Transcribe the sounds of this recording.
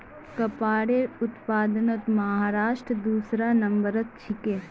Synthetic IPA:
kɐpaːɽeʊt̪paːd̪ənət̪mɐɦɦaːɾaːʃʈɾəd̪uːsɾanɐ̃mbəɾət̪̚t͡ʃʰɪke

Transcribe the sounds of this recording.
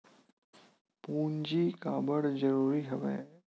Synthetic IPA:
puːnd͡ʒikaːbəɽzɐɾuːɾiɦɐʋḛː

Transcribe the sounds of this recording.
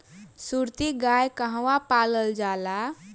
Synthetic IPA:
suɾt̪iɡajkəɦwapaːləld͡ʒaːla

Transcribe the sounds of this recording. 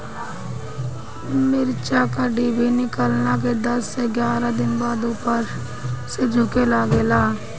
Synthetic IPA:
mɪɾt͡ʃakaɖiːbʱinɪkəlnak̬ed̪əsːeɡjaːɾad̪ɪnbaːd̪uːpəɾ | sed͡ʒʱʊkelaːɡeːlaː

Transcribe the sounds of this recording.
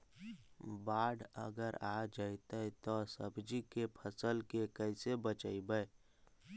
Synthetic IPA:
baːɽə̰ɡəɾad͡ʒait̪əit̪ɔsə̰bd͡ʒikepʰəsəlkekəsebət͡ʃaibəe

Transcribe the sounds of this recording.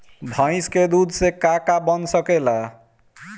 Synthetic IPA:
bʱə̃ɪ̃sked̪ud̪ʱsekakabʌnsəkela

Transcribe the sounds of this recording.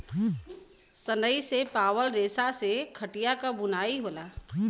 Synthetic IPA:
sənəisepaːwəlɾeːsasekʰəʈijakabʊnaːiɦoːlaː

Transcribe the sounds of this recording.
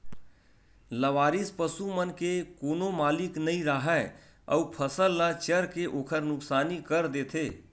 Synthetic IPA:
ləʋaːɾispəsumənkekoːnomaːliknəĩɾəɦə | ə̰upʰəsəlːat͡ʃəɾkeʔoːkʰəɾnʊksaːnikəɾd̪eːt̪ʰeː

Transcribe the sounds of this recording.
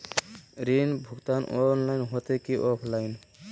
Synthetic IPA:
ɾinbʱuɡt̪anɔnlajnɦot̪ekiʔɔpʰlajn

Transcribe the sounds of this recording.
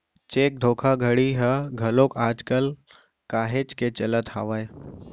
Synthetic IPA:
t͡ʃeːk̚d̪ʱoːkʰaɡʱəɽiɦəɡʱɐlõkaːd͡ʒkəl | kaːɦeːd͡ʒket͡ʃɐlət̪haːʋaːe

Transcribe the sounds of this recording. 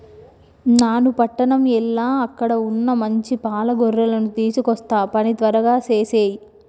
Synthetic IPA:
naːnupɐʈːɐɳɐmɛlːaːɐkːɐɽɐunːɐmɐɲt͡ʃipaːlɐɡɔrːɐlɐnut̪iːsukɔst̪aːpɐnit̪ʋɐɾɐɡaːt͡ʃeːseːji

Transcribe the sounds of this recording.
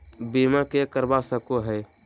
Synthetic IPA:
bimãkekəɾbasəkoɦəj

